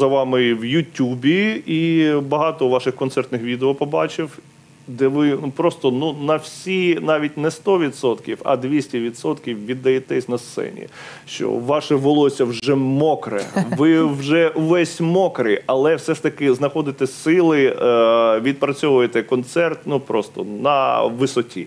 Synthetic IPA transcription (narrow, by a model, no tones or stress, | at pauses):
zɐʋɑmɪwjʊtʲːubʲiibɐɦɑt̪ɔʋɑʃɪxkɔnt̪sɛrt̪nɪxʋʲid̪eɔpɔbɑt͡ʃɪw | d̪ɛʋɪnupɾɔst̪ɔnunɐwsʲinɑʋʲit̚ʲnɛst̪ɔʋʲid̪sɔt̪kʲiwɐ̰d̪ʋʲisʲtʲiʋʲid̪sɔt̪kʲiwʋʲid̪ːɐjɛt̪ɛsʲnɐst̪sɛ̰nʲḭ | ʃt͡ʃɔ̰ʋɑʃɛʋɔlˠɔsʲɐwʒɛmɔkɾɛ̰ʋɪwʒɛuʋɛsʲmɔkɾɪɐlˠɛwsɛʃt̪ɐkɪznɐxɔd̪ɪt̪ɛsɪlˠɪ | ʋʲid̪̚pɾɐt͡sʲɔʋʊjet̪ɛkɔnt̪sɛrt̪nupɾɔst̪ɔ̰nɐ̰ʋɪsɔtʲḭ